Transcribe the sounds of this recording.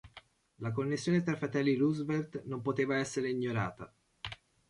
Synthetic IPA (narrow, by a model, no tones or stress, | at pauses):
lakonːesːjoːnet̪ɾafɾat̪ɛlːiluzvert̪nompot̪eːvaɛsːeɾeiɲːoɾa̰ːt̪a